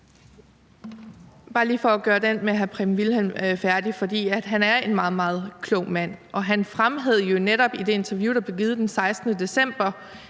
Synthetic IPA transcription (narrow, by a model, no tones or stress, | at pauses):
b̥ɑ̈ːliːfɒæɡ̥ɶːɐd̥en̰meæɦæpʰʁimʋilhemfæɐd̥ifɒ̽d̥ḭːæd̥ɦænæɐe̝nmɑ̈ːð̞̩ˠmɑ̈ːð̞̩ˠkʰlɔʊ̰mæn̰ʔɒ̽ɦænfʁamɦeð̞̰ˠjo̝neɾɒ̽b̥id̥e̝e̝nt͡sʰæɐʋjuːd̥æb̥leɡ̥iːð̞ˠd̥ensɑ̈ɪsd̥nəd̥e̝sem̰b̥ɐ